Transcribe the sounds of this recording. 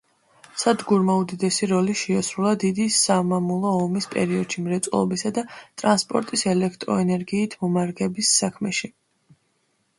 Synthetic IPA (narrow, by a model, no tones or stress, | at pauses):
sad̪ɡuɾmaud̪id̪ɛsiɾɔliʃɛasɾulˠad̪id̪isamamulˠɔːmispʼɛ̰ɾiɔd̪̥ʃimɾɛt̪sʼulˠɔ̰bisad̪at̪ʼɾanspʼɔɾt̪ʼisɛlɛkʰt̪ʼɾɔɛnɛɾɡiːt̪ʰmɔmaɾɡɛbisːakʰmɛʃi